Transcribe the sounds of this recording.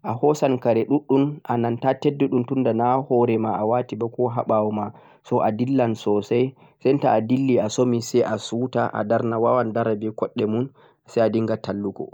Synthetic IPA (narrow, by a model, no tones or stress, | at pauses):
ʔahɔsankaɾɛɗuɗːunʔanantatedːuɗumtundanahɔɾɛmaʔawatibakɔɦaɓawɔma | sɔʔadilːansɔsaj | sɛntaːdilːiasomisɛjʔasutaʔa̰daɾnawawandaɾabɛkɔɗːɛmun | sɛjadiŋɡatʰalːukɔ̰